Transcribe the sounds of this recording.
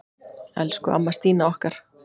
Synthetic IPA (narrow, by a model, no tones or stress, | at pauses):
ɛ̰lskʏa̰mːast̪iːnaɔhkaɾ̥